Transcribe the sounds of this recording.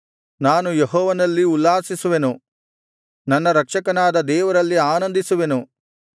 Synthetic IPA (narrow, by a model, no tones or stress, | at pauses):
naːnujeɦɔːʋɐnɐlːiulːaːsisuʋe̞nu | nɐnːɐɾɐkʂɐkɐnaːd̪ɐd̪ɛːʋɐɾɐlːiaːnɐnd̪isuʋe̞nu